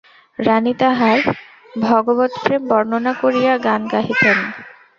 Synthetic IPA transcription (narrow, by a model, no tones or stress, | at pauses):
ɾanit̪aɦaɾ | bʱɔɡobot̪fɾembɔɾnonakoɾijaɡanɡaɦit̪en